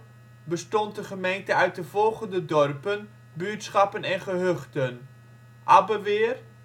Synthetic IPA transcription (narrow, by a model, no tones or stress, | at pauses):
bəstɔnt̚dəχəmejntəœɥt̚dəv̥ɔlˠχəndədɔrpən | byətsχɑpənɛnχəɦøχtən | ʔɑbəʋɪːr